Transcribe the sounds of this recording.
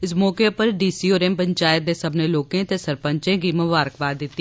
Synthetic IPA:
ɪsmɔːkepɐɾɖiːsiːoːɾɛ̃mpə̃ɲt͡ʃaːjət̪̚d̪eːsəbneloːkẽt̪ẽsɐɾpə̃ɲt͡ʃẽkiməʋaːɾəkʋaːd̪ɪt̪ːi

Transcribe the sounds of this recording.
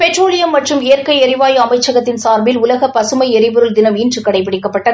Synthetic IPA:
pɛʈroːlɪjɐmːɐʈrɯmeːrkɐɪɛɾɪʋaːjɐmɐɪt͡ʃːɐɣɐt̪ːɪnsaːɾbɪlʊlɐɣɐpɐsɯmɐɪɛɾɪʋɯɾɯld̪ɪnɐʋiːndrɯkːɐɽɐɪpːɪɽɪkːɐpːɐʈːɐð

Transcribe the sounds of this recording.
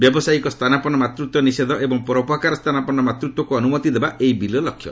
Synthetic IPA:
bjɔbɔsajkɔst̪ʰanapɔnɔmat̪ɾut̪wɔnised̪ɔʔebɔŋpɔɾɔpakaɾɔst̪ʰanapɔnɔmat̪ɾut̪wɔkuɔnumɔt̪id̪ebaʔeibilɔlɔkʰːjɔ̰

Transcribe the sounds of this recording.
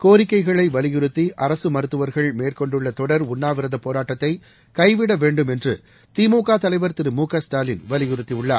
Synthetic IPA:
koːɾɪkːɐɪɣɐɭɐɪʋɐlɪjɪɾɯt̪ːiʔɐɾɐsɯmɐɾɯt̪ːɯʋɐɾɣɐɭmeːrkɔɳɖɯɭːɐt̪ɔɽɐɾʊnːaːʋɪɾɐðɐpoːɾaːʈːɐt̪ːɐɪ | kɐɪʋɪɽɐʋeːɳɖɯmɛndrɯ | t̪iːmuːkaːt̪ɐlɐɪʋɐɾt̪ɪɾɯmuːkɐsʈaːlɪnʋɐlɪjɪrɯt̪ːiʊɭːa̰ː

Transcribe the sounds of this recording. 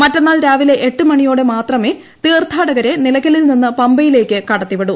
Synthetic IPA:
mɐtːe̞nːaːlɾaːʋile̞ʔeʈːɨmɐɳijo̞ːɽemaːt̪rɐme̞ː | t̪eːrt̪ʰaːɽɐɣɐɾe̞nilɐkːɐlilninːɨpɐmbɐjile̞ːkʲːɨkɐɽɐt̪ːiʋiɽu

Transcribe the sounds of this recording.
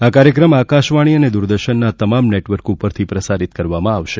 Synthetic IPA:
akaɾjəkɾəmakaʃʋaɽ̃iəned̪uɾd̪əɾʃənːat̪əmamneʈʋəɾkupəɾt̪ʰipɾəsaɾit̪kəɾʋamãaʋʃe

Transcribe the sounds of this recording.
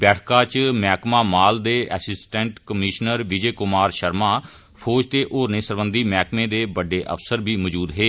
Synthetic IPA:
bɛːʈʰkaːt͡ʃmɛːkmãːmaːld̪eːʔəsɪsʈəɳʈkəmɪːʃnəɾʋɪd͡ʒeːkʊmaːɾʃəɾmãː | pʰoːd͡ʒt̪eːʔoːɾneːsəɾbənd̪iːmɛːkmẽːd̪eːbəɖeːʔə̰fsəɾbʱiːməd͡ʒuːd̪ɦeː

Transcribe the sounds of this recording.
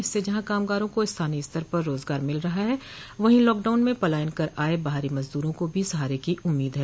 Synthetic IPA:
ɪsːed͡ʒɐɦãkaːmɡaːɾõkoɪst̪ʰaːniɪst̪əɾpɐɾːoːzɡaːɾmɪlɾɐɦaɦɛʋɐɦĩlɔːk̚ɖaːʊnmẽpɐlaːɪnkɐɾaːebɐɦaːɾimɐzd̪uːɾõkobʱisɐɦaːɾekiʔʊmːiːd̪ɦɛ

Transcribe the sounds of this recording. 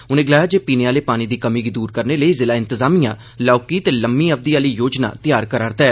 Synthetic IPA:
ʊnẽːɡɪlaːjaːd͡ʒeːpiːneaːleːpaːɽ̃iːd̪iːkəmiːɡiːd̪uːɾkəɾneːləiːzɪlaːɪ̃nt̪əzaːmijã̰ː | laːkiːt̪eːləmːiːəbd̪iːaːliːjoːd͡ʒna̰ːt̪ɪjaːɾkəɾaːɾt̪aːɛ

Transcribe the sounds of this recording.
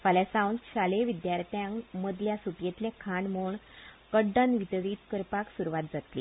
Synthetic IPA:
falasawnd̪ɕaleʋid̪jaɾt̪jãŋkməd̪ʱljasuʈjet̪lẽkʰaɳmuɳkəɖːənʋit̪əɾiːt̪kəɾpaksuɾʋat̪̚d͡zat̪lḭ

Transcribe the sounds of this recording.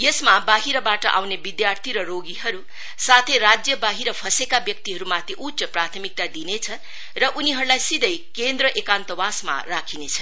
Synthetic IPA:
jesmabaɦiɾʌbaʈʌ̰ʔa̰wnebid̪jart̪ʰiɾʌɾoɡiɦʌɾu | sat̪ʰeɾad͡zjʌbaɦiɾʌpʰʌsekabjʌk̚t̪iɦʌɾumat̪ʰiʔutsʌprat̪ʰʌmik̚t̪ad̪inet͡sʰʌ | rʌʔuniɦʌɾulajsid̪ʌjkend̪rʌʔekant̪ʌwasma̰rakʰinet͡sʰʌ

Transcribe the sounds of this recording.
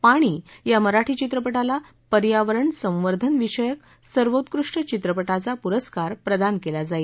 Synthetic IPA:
paɽ̃iːjaməɾaʈʰiːt͡ɕit̪ɾəpəʈala | pəɾjaʋəɾəɳsə̃w̃ʋəɾd̪ʱənʋiʂəjək̚ | səɾʋot̪kɾuʂʈət͡ɕit̪ɾəpəʈat͡sapuɾəskaɾpɾəd̪ankelad͡zai

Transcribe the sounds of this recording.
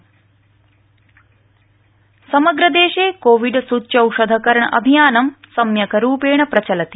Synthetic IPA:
sɐmɐɡɾɐd̪eːʃeːkoːʋiɖsutːʃɐwʃɐd̪ʱɐkɐɾɐɳɐʔɐ̰bʱijaːnɐmsɐmjɐkɐɾuːpeːɳɐpɾɐt͡ʃɐlɐt̪i̥

